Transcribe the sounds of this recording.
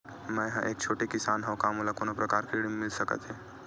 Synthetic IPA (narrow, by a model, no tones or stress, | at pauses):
mə̃jɦãʔek̚t͡ʃʰoʈekisanɦə̃wkamulakonopɾəkaɾkɾiɽimːilsəkə̰t̪e